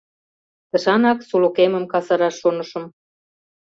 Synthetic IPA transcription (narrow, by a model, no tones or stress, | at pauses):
t̪ɤ̆ʃɑnɑksulukemə̆mkɑsɑɾɑʃːonə̆ʃə̆m